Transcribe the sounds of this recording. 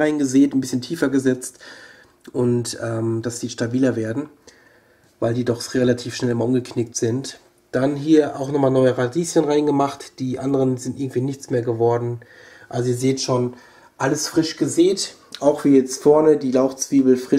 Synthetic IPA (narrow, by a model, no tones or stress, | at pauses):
aɪnɡəzeːtnbɪsçəntʰiːfɐɡəzɛt͡st | ʔʊntʔɛːmd̥asd̥iːʃtabiːlɐveːɐdn̩ | vaɪldiːdɔχʁelatʰiːfʃnɛlɪmalʔʊmɡəkʰnɪk̚tz̥ɪnt | d̥anɦiːɐʔa̰ʊxnɔχmaːlnɔʏəʁadiːsjənʁaɪnɡəmaχtd̥iːʔandəʁənzɪntʔɪɐɡŋ̩tv̥iːnɪçt͡smeːɐɡəvɔɐdn̩ | ʔalzoiːɐzeːtʃoːn | ʔaləsfʁ̥ɪʃɡ̥əzeːt | ʔaʊxv̥iːjɛt͡stfɔɐnədiːlaʊxt͡sv̥iːbl̩fʁ̥ɪ